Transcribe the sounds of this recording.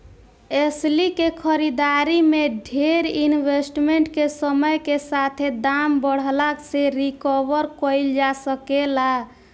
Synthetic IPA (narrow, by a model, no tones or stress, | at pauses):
eslikekʰəɾid̪aɾimeɖʱeɾinbesʈmeɳʈkesəməjkesat̪ʰed̪ambəɽ̤lakseɾikɔʋəɾkɔjld͡ʒasəkela